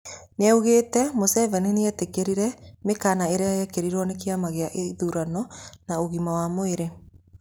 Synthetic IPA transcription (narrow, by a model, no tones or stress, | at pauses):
neɛuɣeːtɛmosɛvɛneneɛtekeɾiɾɛmekaːnaeɾeajɛkeɾiɾwɔnekiamaɣeaʔeðuɾanɔnaoɣimawamoeɾe